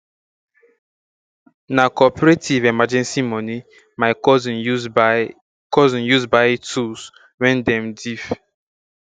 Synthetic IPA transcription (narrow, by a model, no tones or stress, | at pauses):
nakɔpɔɹetʰivemad͡ʒɛ̃nsimɔni | maɪɔzn | kɔzɔ̃njuzbaɪtʰus | wɛ̃ndɛ̃mdif